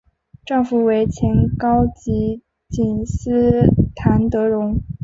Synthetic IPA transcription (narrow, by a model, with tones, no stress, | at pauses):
ʈ͡ʂɑ˥˧ŋfu˨˩we˧˥ɪt͡ɕʰjɛ˧˥nkɑ˥ʊt͡ɕi˧˥ | t͡ɕi˨˩nsɹ̩˥t̪ʰa˧˥nt̪ɤ˧˥ɻʊ˧˥ŋ